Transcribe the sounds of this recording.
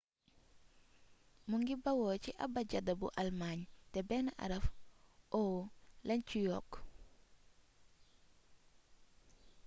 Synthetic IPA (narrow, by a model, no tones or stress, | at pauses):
muŋɡibɐwɔːciʔɐ̰bɐɟɐdɐbṵʔɐlmaːɲtɛbɛnɐʔɐ̰ɾɐfɔwlɐɲcujɔːk